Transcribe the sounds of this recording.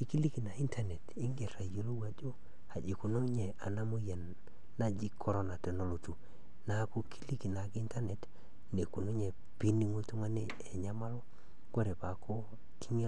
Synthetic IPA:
ki˨˦ki˦li˦ki˨na˨i˦ntʰa˦ne˨ti˦ŋɡe˨ɾa˨jo˦lo˦wa˨d͡ʒo˦ | a˨d͡ʒi˨ku˨no˦ɲe˨a˨na˦mu˦ja˨nː | a˦d͡ʒi˦kʰːo˦ɾo˦na˨te˨no˦lo˨tu˨ | na˦ku˦kʰi̥˦li˦ki˨na˨ki˦nta˦ne˨t | ne˨ku˨no˦ɲe˨ | pi˦ni˦ŋo˦tu˦ŋa˦ne˦ | e˨ɲa˦ma˦lo˦ | ko˦ɾe˨pa˨kʰo˦ | ki˦ɲe˦

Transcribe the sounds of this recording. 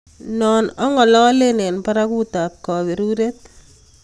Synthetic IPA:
nɔ˨nɔ˦ŋɔ˨lɔ˦le˦ne˨npa˦ɾaku˦t̪a˨p̚kɔ˨βe˨ɾuɾe˦t̪̚

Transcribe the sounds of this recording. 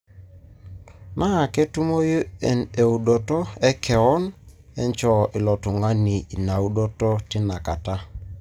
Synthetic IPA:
na˦˨kɛ˦tu˦mo˦jo˦˨ne˨u˨do˨tɔ˦ɛ˦kʰɛ˨ɔ˦n | ɛ˦ɲt͡ʃɔ˦ʔɪ˨lɔ˨tu˨ŋa˦ni˨i˨na˨u˦do˦tɔ˦tɪ˦na˨ka˨ta˦

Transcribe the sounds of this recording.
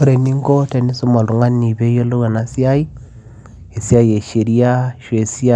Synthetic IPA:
o˦ɾe˨ni˦ŋ˦kɔ˦te˨ni˦so˦ma˨lu˨ŋa˦ni˨βe˦je˦lo˦ɣa˨na˨si˦a˦i˦ | e˨sja˦je˨ʃe˨ɾi˦a˦ʃwe˨si˦a˦

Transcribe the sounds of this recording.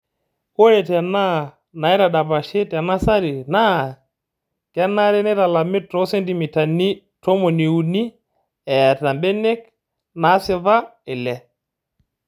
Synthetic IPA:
ko˦je˨tɛ˨na˦˨ | na˨ɛ˦ɾa˨da˨ba˨ʃe˦tɛ˨na˦sa˦ɾi˨na˦˨ | kɛ˦na˦ɾe˦nɛ˦ta˨la˨mɪ˦tɾɔ˦sɛ˦nti˨mi˨ta˨ni˦ | to˦mo˨ni˨u˨ni˦ | ɛ˨ta˨mbe˦ne˦k̚ | na˨˦sɪ˦ða˦ɪ˨lɛ˨

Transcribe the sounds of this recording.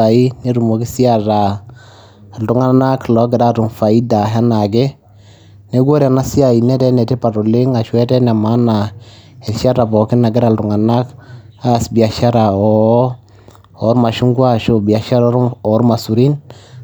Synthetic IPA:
a˨i˦ne˦ɾu˨mo˨ki˦si˦a˨ɾa˨ | ltu˨ŋa˦na˦klɔ˨˦ɡɪ˨da˦tu˨ŋfa˨i˦da˨ɦɛ˦na˨ɡɛ˦ | ne˦ɡo˦ɾa˨na˦si˦a˨i˨nɛ˦tɛ˦nɛ˨te˦pa˨ɾo˨lɪ˦ŋa˨ʃwɛ˦tɛ˦nɛ˨ma˦na˨ | ɛ˨lʃa˦ɾa˨bɔ˨kɪ˦na˨ɡɪ˦ɾa˨ltu˨ŋa˨na˦k | a˦˨sbi˨a˨ʃa˦ɾa˨ɔ˨ | ɔ˨˦ɾma˨ʃu˦ŋɡwa˦ʃo˦bi˨a˨ʃa˦ɾɔ˦ɔ˨˦ɾma˨su˨ɾi˦n

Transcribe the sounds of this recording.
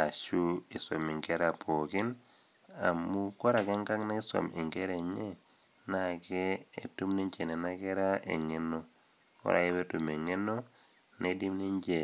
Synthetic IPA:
a˨ʃu˦i˨so̰˨mi˨ŋkɛ˦ɾa˨pʰo˨kɪ˦n | a˨mu˦kɔ˦ɾa˨kɛ˦ŋka˦ŋna˦ɪ˦so̰˨mɪ˨ŋɡe˦ɾe˨ɲe˦ | na˦˨kɛː˦˨tu˦mni˦ɲt͡ʃe˨nɛ˨na˦kɛ˦ɾa˦ʔḛ˨ŋe˦no˦ | kɔ̰˦ɾa̰˨e˦be˦tu˨me˨ŋe˦no˦ | ne˦di˦mni˦ɲd͡ʒe˨

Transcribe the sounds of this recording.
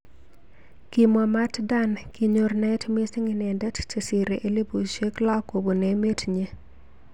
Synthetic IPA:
ki˨mɔ˨ma˦tda˦nki˨ɲo˨rnɛ˦tmi˦si˦ŋinɛ˨ndɛ˦tt͡ʃe˨si˨ɾe˨ʔe˦li˦bu˨ʃe˦kla˦ko˨bo˨ne˨me˦tɲe˦

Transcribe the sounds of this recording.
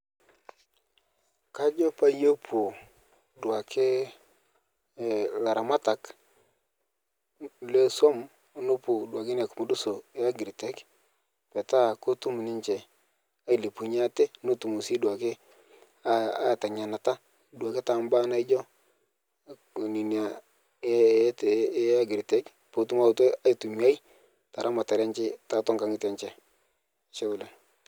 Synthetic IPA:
ka˦d͡ʒo˦pa˦jo˦pʰu˨ | dwa˨kɪ˦˨ | la˨ɾa˨ma˦ta˨k | le˦so˦m˨ | nʊ˦pʊ˨dwa˨kɪ˦ne˨kʊ˨mʊ˦dʊ˦so˨˦a˦ɡɪ˨ɾi˨tɛ˦k | pɛ˨ta˦ko˦tu˦mu˨nɪ˦ɲt͡ʃɛ˨ | a˦i˨le˨pu˨ɲa˦tɛ˦no˦tu˨mu˨si˦dwa˨kɪ˦ | a˦a˦˨ta˨ɲa˨na˨ta˦ | dwa˨kɪ˦ta˨mba˦na˦ɪ˦d͡ʒɔ˦˨ | ni˨nja˨˦ | a˦ɡɪ˨ɾi˨tɛ˦k | po˨tu˦ma˦˨to˦a˦i˨tu˨mi˨a˦j | ta˨ɾʔa˦ma˨ta˨ɾɛ˦ɲt͡ʃɪ˦ta˦˨tɔ˦ŋka˦ŋɪ˦tɛ˨˦ɲt͡ʃɛ˦˨ | ʃɛ˦ʊ˦˨lɛ˨

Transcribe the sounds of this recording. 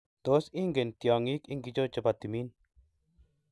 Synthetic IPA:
t̪o˨˦si˦ŋɡe˨nt̪jɔ˨ŋi˦ki˦ŋɡi˦d͡ʒo˦t͡ʃa˨ba˨t̪i˨mi˦n

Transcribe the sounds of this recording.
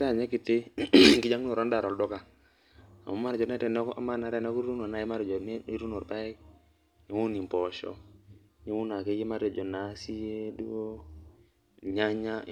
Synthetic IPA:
ta˦˨ɲe˦ki˨te˦˨ki˦d͡ʒa˦ŋ˦o˨ɾo˦nda˨ɾɔ˨ldɔ˦ka˨ | a̰˨mo˨˦ma˦ɾd͡ʒɔ˨nɛ˦tɛ˨n˦ka̰˦ma˦na˨˦ɾe˦˨na˦ku˦ɾu˦no˨na˦ji˦ma˦ɾd͡ʒɔ˨n˦ɾu˦no˨ɾpa˦ɛ˦k̚ | ɲi˦wu˦ni˨mpɔ˨ʃɔ̰˨ | ɲi˨˦wu˦na˨ke˦ji˦ma˦ɾe˨d͡ʒɔ˨na˨˦si˦je˦du˦˨ | ɲa˦ɲa˦

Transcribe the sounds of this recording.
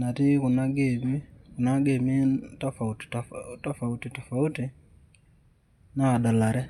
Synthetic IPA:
na˨tɪ˦kʊ˨na˦ɡe˦˨mi˦ku˨na˦ɡe˨mi˦ta˦fa˨u˨ttta˦fa˨u˦ti˨tɔ˨fa˨u˦ti˨ | na˦˨da˨la˨ɾɛ˦

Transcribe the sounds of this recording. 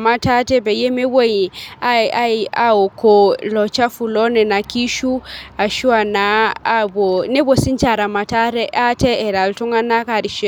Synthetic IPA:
ma˦ta˦tɛ˦bɛ˨je˦me˦wo˦ji˨a˦˨a˦i˨a˦o˨ko˨lɔ˨t͡ʃa˦fu˨lɔ˦nɛ˨na˨ki˦ʃu˦a˨ʃu˦a˨na˨˦bo˨ne˦bo˨si˦nt͡ʃa˨ɾa˨ma˨ta˦ɾɛ˦a˦tɛː˦˨ɾa˨ltu˦ŋa˦na˦ka˨ɾi˨ʃe˦

